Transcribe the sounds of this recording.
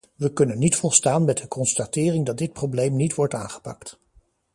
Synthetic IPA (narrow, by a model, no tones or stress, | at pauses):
ʋəkɵnənːitfɔlˠstaːnmɛt̚dəkʰɔnstatɪːrɪŋdɑt̚d̚dɪt̚prowblejmnitʋɔɹta̰ːnχə̥pɑ̰kt